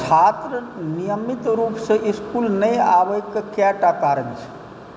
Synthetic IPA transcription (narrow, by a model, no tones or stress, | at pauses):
t͡ʃʰat̪ɾənijəmit̪ɾupsẽʔiskulnəjaʋəkːkjaʈakaɾənt͡ʃʰ